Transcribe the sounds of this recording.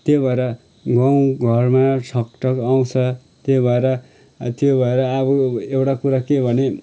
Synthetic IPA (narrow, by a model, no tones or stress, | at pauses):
t̪jobʱaeɾʌ | ɡʌw̃ɡʱʌrmat͡sʰʌkʈʌkaw̃t͡sʰʌ | t̪jobʱaeɾʌ | t̪jobʱʌeɾʌːbʌewʈakuɾakebʱʌne